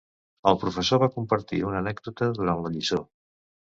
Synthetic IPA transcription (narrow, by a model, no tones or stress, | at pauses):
əlˠpɾufəsoβakumpəɾt̪ḭunənɛɡ̚d̪ut̪əðuɾanləʎiso